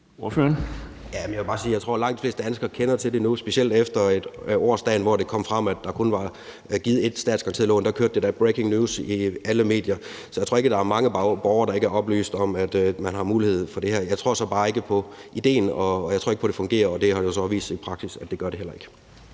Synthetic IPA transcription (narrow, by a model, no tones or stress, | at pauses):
oɐføːɐn | jæmnjaʋe̝bɑ̈ːsiːjɑɪt͡sʰʁo̝ɐ̰lɑ̈ŋ̰d̥ifle̝ːsd̥əd̥ænsɡ̥ɐkʰenɐt͡sʰe̝lde̝nusb̥e̝ɕiel̰d̥efd̥ɐed̥ɒ̰ːsd̥ɛ̰ːnʋɒd̥e̝kʰɒ̽m̰fʁɑm̰æd̥ːɑ̈kʰo̽nʋɑ̈ | ɡ̥iːð̞̩ˠe̝d̥sd̥ɛ̰ːdskʰɑŋnt͡sʰḭlɔ̰ːnd̥ɑ̈kʰøɐd̥ːed̥æɐb̥ʁekʰe̝ŋnjuːsiæləme̝̰ːd̥jɐ | sɒjɪt͡sʰʁo̝ɐeɡ̥əd̥ɑ̈æɐmɑ̈ŋəb̥ɒːʊɐd̥ɑ̈e̝ɡ̥əæɐɒ̽b̥ly̰ːsd̥ɒ̽mæd̥mænɦɑ̈muːlihe̝ð̞̰ˠfɒ̽d̥e̝heɐ̰jɑ̈ɪt͡sʰʁo̝ɐsɒ̽b̥ɑ̈ːe̝ɡ̥əpʰɒ̽ʔid̥e̝̰ːnɒjɑɪt͡sʰo̝ɐeɡ̥ʰɒd̥e̝fɔ̽ŋɡ̥e̝̰ːɐɒ̽d̥e̝hɑ̈josɒ̽ʋḭːsd̥ipʰʁɑ̈ɡ̥sisæd̥e̝ɡ̥ɶɐɾ̥e̝el̰ɐe̝ɡ̥ə̥